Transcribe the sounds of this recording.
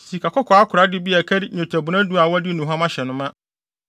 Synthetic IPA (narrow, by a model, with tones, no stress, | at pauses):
si˨kʰa˨kʰɔ˦kʰɔ˨a˦kʰʊ˨ɾa˦dɪ˦bi˦a˨kʰɛ˦dɪ˦ɲõ˨tʰæ˨bʊ˨nã˦du˦a˨wɔ˦dɪ˦nũ˨ɦã˦mã˦ɕɛ˨nʊ̃˦mã˦